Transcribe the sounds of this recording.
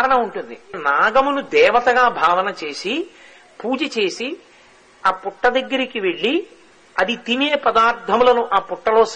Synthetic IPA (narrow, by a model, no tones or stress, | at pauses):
ɾɐɳɐmuɳʈund̪inaːɡɐmunud̪ɛːʋɐt̪ɐɡaːbʱaːʋɐnɐt͡ʃe̞ːsi | puːd͡ʒɐt͡ʃe̞ːsi | aːpuʈːɐd̪ɐɡːɐɾikiʋe̞ɭːi | ɐd̪it̪ineːpɐd̪aːɾt̪ʰɐmulɐnuʔaːpuʈːɐlo̞ːs